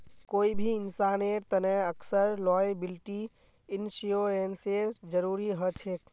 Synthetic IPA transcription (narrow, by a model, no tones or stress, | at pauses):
koːibʱiɪnsaːneɾt̪ənɛəksəɾlɔːjbɪlʈi | ɪnsioɾenseɾd͡ʒəɾuːɾiɦət͡ʃʰek